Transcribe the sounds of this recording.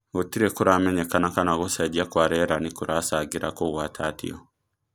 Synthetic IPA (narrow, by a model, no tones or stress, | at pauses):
otiɾekuɾamɛɲɛkanakanaɣosaɟiakwaɾeɾanikuɾʔasaɡiɾakoɣwatʰaːtḭo